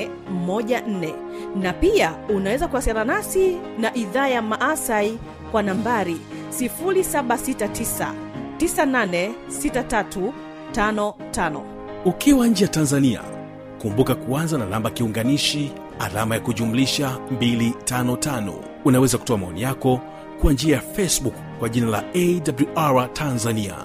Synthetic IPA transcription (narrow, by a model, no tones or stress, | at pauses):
mɔʄan̩nɛ | napiaunawɛzakuasaɾanasinaʔiðaːjamaʔasai | kwanambaɾi | sifuɾisaɓasitatisa̰ | tisananɛsitatatu | tanɔtanɔ̰ | ukiwaɲ̩d͡ʒɛjatanzania̰ | kumbukakuanzananambakiuŋɡaniʃi | a̰lamajakuʄumuliʃambilitanɔtanɔ̰ | unawɛzaku̥tɔamaɔnijakɔ | kwand͡ʒiajafɛsbukːwaʄinala̰ɛdabluʔaɹatʰanzania̰